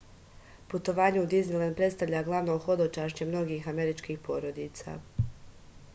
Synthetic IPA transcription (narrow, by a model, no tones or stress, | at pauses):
put̪o̞ʋaːɲeud̪iznilˠand̪̚pɾet̪st̪aʋʎaɡlˠaʋnoːxo̞d̪ot͡ʃaːʃt͡ɕemno̞ɡiːxame̞ɾit͡ʃkiːxpo̞ːɾo̞d̪iːt̪sa̰ː